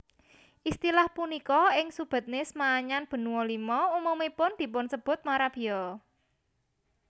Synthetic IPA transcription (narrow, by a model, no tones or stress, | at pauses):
ʔist̪ilahpunikɔɪŋsub̥ə̤t̪̚nɪsmaːɲanb̥ə̤nuwɔlimɔumomepʊnd̪̥i̤pʊnsəb̥ʊ̤t̪̚maɾab̥i̤jɔ